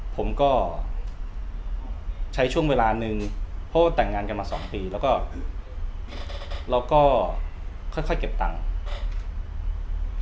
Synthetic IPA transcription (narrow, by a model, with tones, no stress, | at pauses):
pʰo˩˦mkɔː˥˩ | t͡ɕʰa˦˥jt͡ɕʰu˥˩əŋweː˧laː˧nɯ˨˧ŋpʰɔ˦˥waː˥˩t̪ɛ˨˩ŋːaː˧nka˧nmaː˧sɔ̰ː˩˦ŋpiː˧lɛː˦˥wkɔː˥˩ | ɾa˧wkɔː˥˩ | kʰɔ˥˩jkʰɔ˥˩jke˨˩p̚t̪a˧ŋ